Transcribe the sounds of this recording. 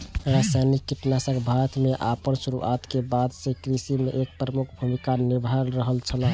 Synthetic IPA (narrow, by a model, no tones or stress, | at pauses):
ɾasajnikːiʈnasəkbʱaɾt̪meʔapənsuɾṵʔat̪kebad̪sẽkɾisimeʔek̚pɾəmukʰbʱumikaniɾbʱəɾːəɦəlt͡ʃʰəla